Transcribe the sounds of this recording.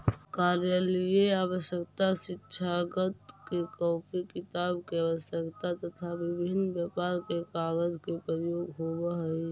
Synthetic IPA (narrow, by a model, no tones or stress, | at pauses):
kaɾjalijeaːʋəʃjəkt̪asɪtːʃʰaɡət̪kekɔːpʰikɪt̪abkeəʋəʃjəkt̪at̪ət̪ʰabɪbʱɪnbjəpaɾkekaːɡəd͡ʒkepɾəjoːɡɦobəɦəi